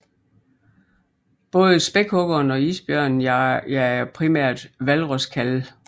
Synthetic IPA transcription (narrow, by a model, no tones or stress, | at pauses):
b̥ɔ̽ːð̞ˠəsb̥eɡ̥hɔ̽ɡ̥ɐːnɒ̽iːsb̥jœɐ̰nn̩æpʰʁimæɐ̰d̥ʋælʁɔskʰæl